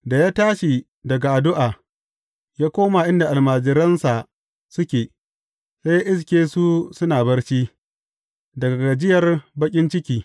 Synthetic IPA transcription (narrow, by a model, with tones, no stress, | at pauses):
da˨jaː˦taː˦ʃi˨ | dɐ˨ɡa˨ʔa˨dʊ˦ʔaː˨ | jaː˦kʷoː˦maː˨ʔɪ˦nda˨ʔa˨lmaː˨d͡ʒɪ˨ɾɐ˦nsa˨ | sʊ˦kʲeː˨ | sa˦jaː˦ʔɪ˦s̬kʲeː˦su˦sʊ˦naː˨bɐ˦rt͡ʃiː˦ | dɐ˨ɡa˨ɡa˨d͡ʒɪ˦jɐ˨rbɐ˦kʲʼɪ˦nt͡ʃɪ˦kʲiː˦